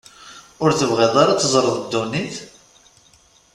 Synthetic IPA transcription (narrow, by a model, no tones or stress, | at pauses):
ʊɾθəvʁɪðˤaɾɑt͡s̪ːəzˤɾˤəðˤəd̪ːuniθ